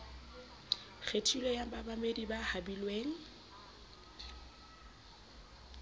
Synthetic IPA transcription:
ɣʰetʰilɔjambabamedibahabilweːŋ̩

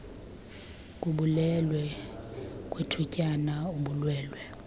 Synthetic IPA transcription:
kʼuɓulɛlwɛ | kʼwetʰucʼanauɓulwɛːlwɛ

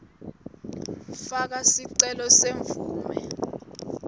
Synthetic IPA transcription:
fak̬asiǀɛlɔseɱvuːmɛ̰

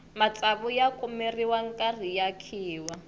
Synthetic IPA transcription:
mat͡saβʊjakʼʊmeriwaŋ̩kʼar̤ijakʰiːwa

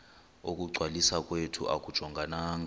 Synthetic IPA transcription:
ok̬ʼuɡ͡ǀʱwalisakʼwetʰṵʔa̰k̬ʼud̥ʒ̥ʱɔŋɡʱanaːŋ

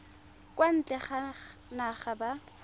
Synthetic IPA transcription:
kʼwan̩t͡ɬʼɛχanaχaba

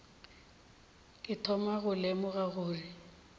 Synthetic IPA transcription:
kʼɪtʰɔmaɣʊlemʊɣaɣʊːri

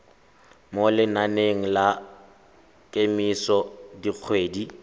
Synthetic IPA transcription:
molɪnaneŋ̩la | kʼemisɔdik͡xʰweːdi

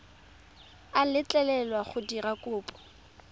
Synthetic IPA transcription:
alɪt͡ɬʼɛlɛlwaχʊdirakʼʊːpʼɔ̥

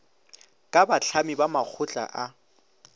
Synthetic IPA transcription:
kʼabaɬʰamibamak͡xʰʊt͡ɬʼa̰ʔa

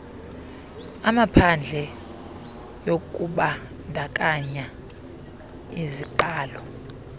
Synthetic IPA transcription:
amapʰand͡ɮʱɛ | jokʼuɓa | ndʱakʼaɲa | iziǃaːlɔ

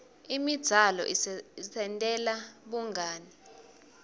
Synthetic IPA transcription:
imid̥z̥ʱalɔ̰ʔisʰɛntʼɛlaɓuŋɡʱaːni

